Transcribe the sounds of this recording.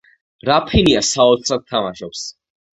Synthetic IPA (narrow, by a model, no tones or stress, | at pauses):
ɾapʰiniasaɔt̪sʰɾat̪̚t̪ʰːamaʃɔps